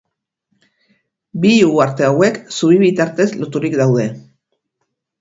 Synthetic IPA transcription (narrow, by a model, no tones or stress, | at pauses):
biuaɾt̪e̞awe̞ksuβ̞iβit̪aɾt̪e̞zlot̪uɾikd̪awð̞e̞